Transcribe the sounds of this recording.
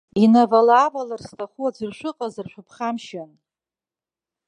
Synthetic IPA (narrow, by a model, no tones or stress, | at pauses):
inavalaːvalarstʰaχuad͡zʷɨrʃʷʊqʼazɨrʃᶣʷʊpʰχamʃan